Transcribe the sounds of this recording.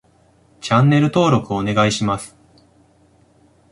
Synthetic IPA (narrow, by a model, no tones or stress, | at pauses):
t͡ɕãnːe̞ɾɯ̟t̪o̞ːɾo̞kɯ̟oːne̞ɡaiɕimasɨ̥